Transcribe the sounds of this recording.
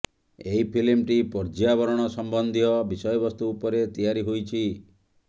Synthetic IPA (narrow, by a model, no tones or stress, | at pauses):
eipʰilimʈipɔɾd͡ʒiabɔɾɔɽ̃ɔsɔmbɔnd̪ʱiɔbisɔjɔbɔst̪uːpɔɾet̪ijaɾiɦojt͡ʃʰi